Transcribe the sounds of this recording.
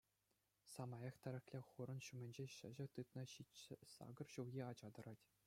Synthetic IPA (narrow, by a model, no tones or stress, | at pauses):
sɑmɑjɑχt̪ʲæɾʲɘ̆xʲlʲeχuɾɤ̆nɕumʲɘ̆nʲd͡ʑeɕɘ̆ʑɘ̆t̪ɯt̪nɤ̆ɕiɘ̆sɑ̰ɡɤ̆rɕuljʲiɑd͡ʑɑd̪ɤ̆ɾɑtʲ